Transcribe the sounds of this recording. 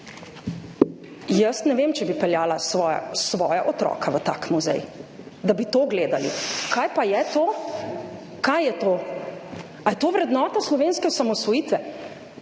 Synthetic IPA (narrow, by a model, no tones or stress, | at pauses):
jəst̪nɛʋeːmt͡ʃɛbipɛljaːlasɔja̰sʋɔːja̰ʔɔt̪ɾɔ̰ːkʰaʋət̪a̰ːkmuzɛ̰j | d̪abit̪oːɡleːd̪alḭkʰajpajɛt̪oː | kajːɛt̪oː | ajɛt̪oːʋɾɛd̪nɔːt̪aslɔʋeːnskɛɔsamɔsʋɔjiːt̪ʋɛ